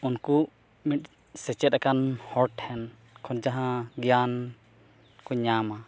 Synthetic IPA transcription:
unku | miʈ̚ | sɛt͡ʃɛt̪̚akanhɔɾʈhɛn | kʰɔnd͡ʒaɦãɡjan | kɔɲama

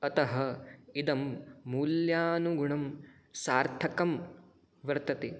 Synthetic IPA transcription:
ɐt̪ɐɦɐ̆id̪ɐmːuːljaːnuɡuɳɐm | saːɾt̪ʰɐkɐm | ʋɐɾt̪ɐt̪e

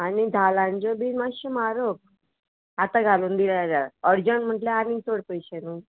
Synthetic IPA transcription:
anid̪ʱalãɲd͡ʑəbimaɕəmaɾok̚ | at̪aɡʱaluːnd̪ilaaɾaəɾd͡ʑəɳm̤əʈleanĩŋsoɽpəjɕenũː

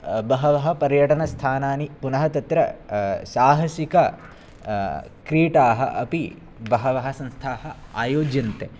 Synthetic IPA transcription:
bɐɦɐʋɐɦɐ̆pɐɾjɐʈɐnɐst̪ʰaːnaːnipunɐɦɐt̪ɐt̪ɾɐsaːɦɐsikɐ | kɾiːʈaːɦɐ̰ʔɐpi | bɐɦɐʋɐɦɐ̆sɐ̃nst̪ʰaːɦɐ̆a̰ːjoːd͡ʒjɐnt̪e

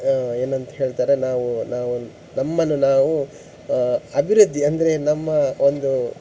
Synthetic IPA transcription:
e̞ːnɐnt̪ɐɦe̞ːɭt̪aːɾe̞naːʋunaːʋu | nɐmːɐnːunaːʋu | ɐbʱiɾud̪ʱːiɐnd̪ɐɾe̞nɐmːɐo̞nd̪u

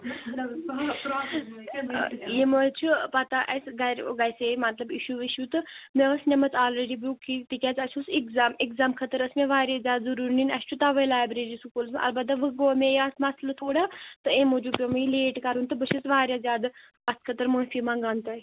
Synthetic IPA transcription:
jemot͡ʃʰupat̪aʔɐsɡɐɾɡajsemɐt̪lɐbiʃuːʋiʃuːt̪ɨmẽɐsnʲemɐt͡s̪aːlɾeːɖibukit̪ikʲaːt͡sɐt͡ʃʰusikzaːmekzaːmkʰɐt̪əɾɐsmẽʋaːɾʲazʲjaːd̪zɐɾuːɾninɐst͡ʃʰut̪aʋəjlaːjbɾeːɾiːsukulsm̰ʔɐ̰lbɐt̪ːaʋɨɡoːmẽjɐsmaslɐt̪ʰoːɽaːt̪ɨẽːmod͡ʒuːpʲjomileːʈkɐɾunt̪ɨbəʃʰit͡sʋaːɾʲjazjaːd̪ | ɐst̪kʰɐt̪əɾmoːnfimãːɡant̪oi

